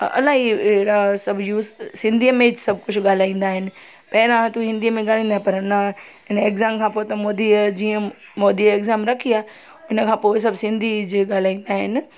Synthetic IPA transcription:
ʔɐ̰laːɦiɽasɐbʱjuːssɪ̃nd̪ʱiəmẽsɐb̚ʱkʊt͡ɕʰʊɠaːl̤aːĩːnd̪aːɦɪnɪ̆ | pɐɪnãt̪uɦɪ̃nd̪iəmẽɠaːl̤ãːnd̪aɦɪpɐɾnɐ | ɦɪnəeːkzaːmkʰãːpoːt̪ɐmoːd̪id͡ʑiːə̃ | moːd̪ieːɡzaːmɾɐkʰiaː | ʊnə̆kʰãːpoːɪs̬ɐbsɪ̃nd̪ʱid͡ʑɪɠaːl̤aːĩːn̆d̪aːɦɪnɪ̆

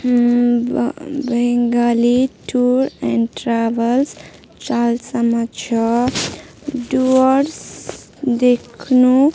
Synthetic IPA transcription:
bɛ̃ŋɡaliʈuɾɛ̃ɳʈɾaʋəls | t͡ʃalsəmʌt͡ʃʰʌ | ɖuɔɾs | d̪ekʰnu

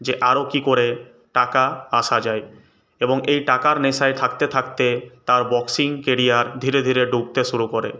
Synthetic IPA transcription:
d͡ʑeʔaɾokikoɾe | ʈakaaʃad͡ʑae | eboŋejʈakaɾneʃaet̪ʰak̚t̪et̪ʰakt̪et̪aɾbɔksiŋkeɾijaɾd̪ʱiɾed̪ʱiɾeɖʱuk̚t̪eʃuɾukoɾḛ

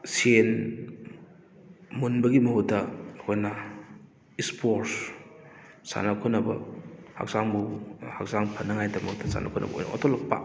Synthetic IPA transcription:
sen | munbɐɡimɐɦutɐhojnɐ | ispʰoɾs | sa̰nɐkʰunɐbɐ̰ha̰k̚saŋbuhak̚saŋpʰɐnːɐŋajtɐmɐutɐsa̰nʔɐ̰kʰɔnʔɐ̰bɐo̰jnɐ̰o̰tʰolɐk̚pa̰

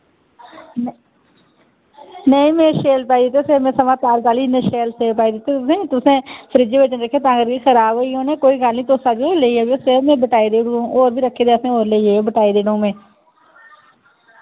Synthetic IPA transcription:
nəĩːmẽːʃeːlpaːiːd̪ɪt̪̬ːesemẽːsəmãːt̪aːlk̪aːliːnẽːʃeːlseːpaːiːd̪ɪt̪ːeːt̪ʊsẽːt̪ʊsẽːpʰəɾiːd͡ʒeːʋɪt͡ʃənɾəkʰːeːt̪ãːɡəɾkeːxʰəɾaːbɦoːiõːnẽːkoːiːɡəlniːt̪osaːd͡ʒoːɾleːieːɡesemɛ̃ːbəʈaːiːd̪eːɽõːoːɾbiːɾəkʰːeːd̪eːsẽːoːɾleieːbəʈaːiːd̪eːɽõːmẽː

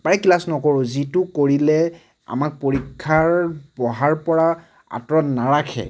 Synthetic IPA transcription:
paɹɛkilasnɔkɔɹʊzitʊkoɹilɛ | a̰mak̚poɹikʰːaɹbɔɦaɹpɔɹa | a̰tɹɔtnaɹakʰɛ̰

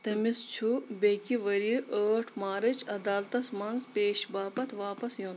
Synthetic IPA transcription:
t̪ɐmist͡ʃʰubeːkiʋɐɾiʔəːʈʰmaːɾɐt͡ʃʰɐd̪aːlt̪ɐsmɐnzpeːʃbaːpɐt̪ʰʋaːpɐsjon

